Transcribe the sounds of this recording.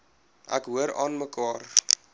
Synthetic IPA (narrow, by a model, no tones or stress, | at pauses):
ʔæ̰kɦuəɾɑ̰ːnməkɑːr